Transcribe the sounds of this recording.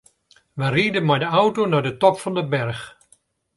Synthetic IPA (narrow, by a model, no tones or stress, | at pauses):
ʋəriədənmɛjdəawtonadətɔpfɑndəbɛrx